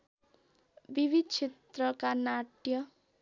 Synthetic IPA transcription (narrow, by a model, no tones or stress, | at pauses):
bibʱid̪̚t͡sʰet̪rʌkanaʈjʌ